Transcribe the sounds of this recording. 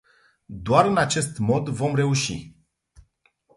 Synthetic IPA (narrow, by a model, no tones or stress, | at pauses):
d̪oaɾɨnat͡ʃe̞st̪mo̞d̪vo̞mre̞uʃḭ